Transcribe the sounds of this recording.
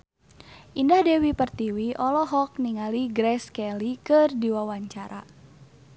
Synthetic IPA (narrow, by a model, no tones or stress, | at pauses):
ʔindahdɛwipərt̪iwiʔɔlɔɦɔk̚niŋaliɡɾɛskɛlikərdiwawaɲt͡ʃaɾʔa̰